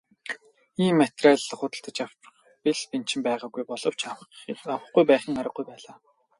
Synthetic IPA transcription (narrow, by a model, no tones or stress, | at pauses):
iːmːat̪raːɮːə̆χʊt̪ə̆ɬt̪ə̆t͡ɕaw̥ | piɮpint͡ɕɪ̆mpæːʁaːɡujpɔɮɞ̆w̥t͡ɕawawə̆χɡujpæːχə̆ŋaɾə̆ɡːujpæːɮaː